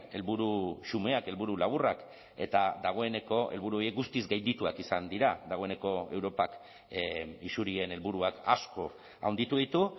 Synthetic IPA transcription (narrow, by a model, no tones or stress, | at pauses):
e̞lβuɾusume̞ake̞lβuɾulaβ̞urak | e̞̰t̪ad̪aɣ̞o̞e̞ne̞ko̞e̞̰lβuɾuo̞jiek̚ɡust̪izɡajnd̪it̪uakisand̪iɾad̪aɣ̞o̞e̞ne̞ko̞e̞wɾo̞pak | isuɾie̞ne̞lβuɾuaka̰sko̞ | a̰wnd̪it̪uðit̪u